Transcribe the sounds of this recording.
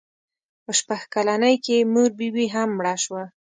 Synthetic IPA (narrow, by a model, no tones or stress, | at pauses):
pəʃpaxkalanəjkemuɾbiwiɦamːɽaʃwa